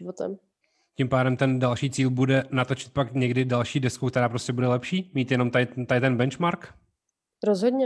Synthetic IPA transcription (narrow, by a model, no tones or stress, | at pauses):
vot̪ɛ̰m | cimpaːdɛmt̪ɛndalʃiːt͡siːlbudɛnat̪ot͡ʃɪ̥t̪̚pakɲɛɡdɪdalʃiːdɛskukt̪ɛɾaːpɾoscɛbudɛlɛpʃiːmiːt̪jɛno̞mt̪aɪt̪adɪt̪ɛnbɛnt͡ʃmaɾk | ɾozɦodɲɛ